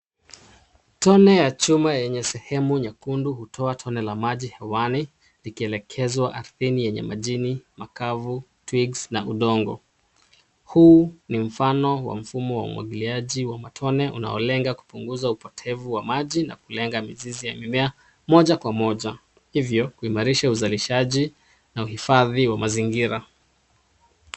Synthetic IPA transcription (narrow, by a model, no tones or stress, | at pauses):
tɔnɛjat͡ʃumajɛɲɛsɛhɛmuɲakunduhutʰɔatʰɔnɛlamaʄihɛwani | likiɛlɛkʰɛzwaʔaɾθinijɛɲɛ̰maʄinimakavu | twiɡsnaʔuɗɔŋɡɔ | huːnim̩fanɔwa̰m̩fumɔwa̰ṵmwa̰ɠiliaʄiwamatʰɔnɛʔuna̰ɔ̰lɛŋɡaku̥puŋɡuzaupɔtʰɛvuwamaʄina̰kulɛŋɡamizizijamimɛa | mɔʄakwamɔʄa | hivjɔkuimaɾiʃauzaliʃaʄi | nauhifaðiwamaziŋɡiɾa